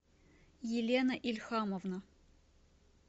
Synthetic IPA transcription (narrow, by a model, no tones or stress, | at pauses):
jilʲenɐʔilʲxaːmovnɐ